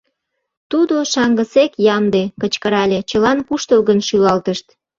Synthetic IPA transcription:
t̪ud̪oʃɑŋɡəsekjɑmd̪ekət͡ɕkəɾɑlʲet͡ɕəlɑnpuʃt̪əlɣənʃylɑlt̪əʃt̪

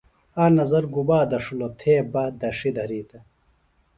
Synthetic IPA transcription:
aːnɐzɐɾɡubaːd̪ɐʂulot̪ʰeːbɐd̪ɐʂid̪ʱɐɾiːt̪ɐ

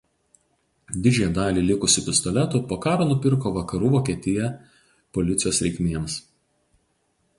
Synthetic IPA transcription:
d̪ʲɪd͡ʒʲɛːjɛd̪ɑːlʲiːlʲɪkʊsʲɪpʲɪst̪ɔlʲɛt̪uːˑpoːkɑːɾoːnʊpʲɪɾkoːʋɐkɐɾuːʋoːkʲiɛt̪ʲɪjɛ | pɔlʲɪt̪sʲɪjoːsɾʲɛɪkʲmʲeɛms

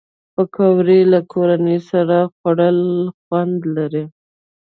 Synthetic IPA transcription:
pəkʰawɾelakʰoɾanəsaɾaxwaɽəlxwand̪laɾi

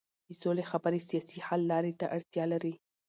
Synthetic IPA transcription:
d̪̥əsolexabaɾisijɑsihalːɑɾet̪a̰ʔaɽt̪jɑlaɾi

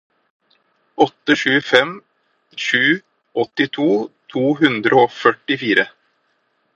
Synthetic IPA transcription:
ɔt̪ːəʃʉːfɛm | ʃʉː | ʔɔt̪ɪt̪ʰuːt̪ʰuːɦʉnd̪ɾəoːfœʈɪfiːɾʔə

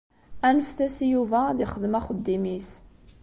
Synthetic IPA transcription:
ænəfθæsjuvæðiχəðmæχəd̪ːimis

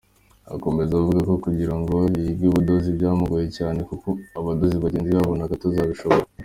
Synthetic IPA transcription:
a̰ko̞me̞zauvuɡako̞kuɟiɾaŋɡo̞iiɡɡiβudozibɟaːmuɡoje̞caːne̞kuko̞aβadoziβaɟeːnziβaβonakatozaːβiʃo̞βoɾa

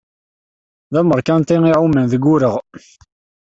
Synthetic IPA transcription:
ðæməɾˤkænt̪iŋiʕumənðəɡːʊɾəʁ

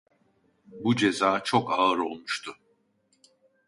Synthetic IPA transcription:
bud͡ʒezaːt͡ʃʰokaɯɾo̞lˠmuʃt̪ʰʊ

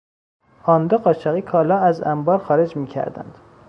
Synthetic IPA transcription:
ɒːnd̪ɒɢɒːʃæɣiːkʰɒːlɒːæzæ̰mbɒːɾxɒːɾed͡ʒmiːcʰæ̰ɾd̪æ̰nd̪̥

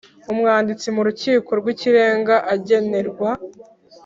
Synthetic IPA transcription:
umŋaːndit͡simuɾuciːko̞ɾɡwiciɾe̞ːŋɡaʔaɟe̞ne̞ɾɡwa

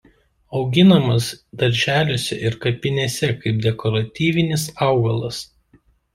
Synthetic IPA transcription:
ɒʊɡʲɪnɐmɐsd̪ɐɾʲʒʲæːlʲoːsʲɛ̰ʔɪɾkɐpʲɪnʲeːsʲɛkɐɪp̚d̪ʲɛkɔɾɐt̪ʲiːʋʲɪnʲɪsɑˑʊɡɐlˠɐs

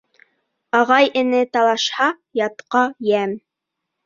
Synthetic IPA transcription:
ɑʁɑjʔɘ̆nɘt̪ɑlˠɑʃhɑ | jɑt̪qɑjæm

